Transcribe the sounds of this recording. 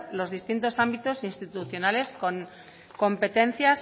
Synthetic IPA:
lo̞zðist̪int̪o̞sambit̪o̞sinst̪it̪uθjonale̞sko̞ŋ | ko̞mpe̞t̪ẽ̞n̟θjas

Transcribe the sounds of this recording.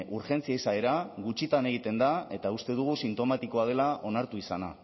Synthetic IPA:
ʔuɾʝe̞nt͡siaisae̞ɾaɣut͡ʃit̪ane̞ɣ̞it̪e̞nd̪ae̞t̪aust̪e̞ðuɣ̞usint̪o̞mat̪iko̞að̞e̞laʔo̞naɾt̪uisana

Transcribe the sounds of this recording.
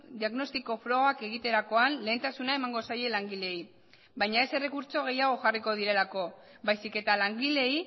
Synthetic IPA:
d̪iaɣno̞st̪iko̞fɾo̞ɣake̞ɣ̞it̪e̞ɾako̞anle̞ːnt̪asunae̞maŋɡo̞saje̞laŋɡile̞i | bajɲae̞se̞re̞kuɾt͡so̞ɣ̞e̞jaɣ̞o̞ʝariko̞ð̞iɾe̞lako̞ | bajsike̞t̪alaŋɡile̞i

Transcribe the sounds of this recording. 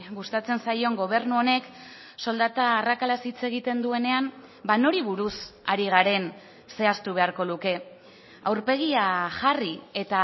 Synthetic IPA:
ɣust̪at͡se̞nsajo̞ŋɡo̞β̞e̞ɾnuo̞ne̞k | so̞ld̪at̪aːrakalasit͡se̞ɣ̞it̪e̞nd̪ue̞ne̞am | bano̞ɾiβuɾusaɾiɣ̞aɾe̞n | se̞ast̪uβ̞e̞aɾko̞luke̞ | awɾpe̞ɣ̞iaʝarie̞t̪a

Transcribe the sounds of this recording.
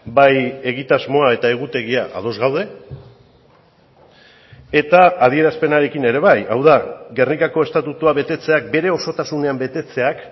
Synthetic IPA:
baje̞ɣ̞it̪azmo̞ae̞t̪ae̞ɣ̞ut̪e̞ɣiaʔa̰ð̞o̞zɣawðe̞ | et̪aːð̞ie̞ɾaspe̞naɾe̞kine̞ɾe̞β̞ajʔa̰wðaɡe̞rnikako̞e̞st̪at̪ut̪uaβe̞t̪e̞t͡se̞ak̚be̞ɾe̞o̞so̞t̪asune̞ambe̞t̪e̞t͡se̞ak

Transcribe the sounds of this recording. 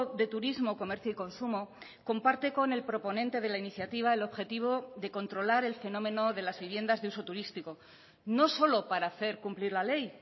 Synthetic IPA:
ðe̞t̪uɾizmo̞ko̞me̞ɾθjoiko̞nsumo | ko̞mpaɾt̪e̞ko̞ne̞lpɾopo̞nẽ̞nt̪e̞ð̞e̞lainiθjat̪iβ̞ae̞lo̞βxe̞t̪iβ̞o̞ðe̞ko̞nt̪ɾo̞laɾe̞lfe̞nõ̞mẽ̞no̞ðe̞lazβiβ̞je̞nd̪azðeuso̞t̪uɾist̪iko̞ | no̞so̞lo̞paɾaːθe̞ɾkumpliɾlale̞j

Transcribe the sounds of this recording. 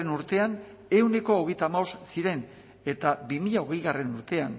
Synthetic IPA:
enuɾt̪e̞an | e̞wne̞ko̞ːɣ̞ejt̪amaossiɾe̞n | e̞t̪abimiʎao̞ɣe̞jɣare̞nuɾt̪e̞an

